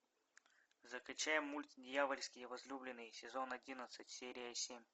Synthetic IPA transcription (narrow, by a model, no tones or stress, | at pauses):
zəklʲʉt͡ɕæjɪmːulʲt̪ʲdʲjavəlʲsʲkʲɪjəvɐzlʲublʲɪnːɨjəsʲɪzo̞nɐdʲinət̪sɨtʲsʲeɾʲɪjəsʲemʲ